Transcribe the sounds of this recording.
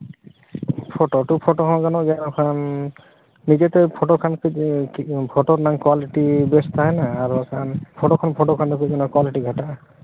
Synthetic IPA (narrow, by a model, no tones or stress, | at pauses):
pʰoʈoʈupʰɔʈɔkʰɔ̃nɡanɔɡɛɾɔkʰan | mid̪et̪ɛpʰoʈokʰanki | pʰoʈoɾnaŋkwaliʈibest̪ʰaɦɛnaːɾukʰanpʰoʈokʰɔnpʰɔʈokʰant̪ukuɡanɔkwaliʈiɡʱaʈaʔ